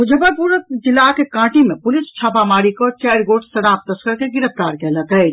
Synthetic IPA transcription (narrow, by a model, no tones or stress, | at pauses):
ɦʊd͡ʒʱəbəɾpuːɾəd͡ʒɪlakekãːʈimẽpʊlɪst͡ʃʰaːpamaːɾikɔːt͡ʃɛːɾɡoːʈsɐɾaːp̚t̪əskəɾkeɡɪɾəp̚t̪aːɾkelɐtəe